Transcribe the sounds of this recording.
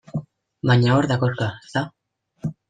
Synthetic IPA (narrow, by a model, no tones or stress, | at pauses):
baɲaoɾðakoɾkast̪a